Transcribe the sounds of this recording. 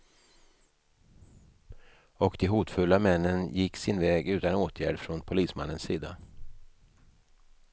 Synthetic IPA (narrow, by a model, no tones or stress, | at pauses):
ɔkd̪ɛɦuːt̪fɵlːamɛnːənjɪkːsɪnvɛːɡʉ̟ːt̪anoːt̪ʰjæ̰ːɖfɾɔnpʰʊliːsma̰nːənsiːd̪a̰